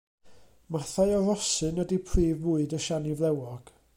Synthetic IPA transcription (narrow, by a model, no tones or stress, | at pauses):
maθaɨɔɾɔsɨnədipʰriːvvʊːɨdəʃanivlˠɛwɔɡ̥